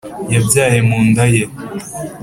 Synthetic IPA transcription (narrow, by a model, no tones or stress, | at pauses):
jabjaːjemuːndaje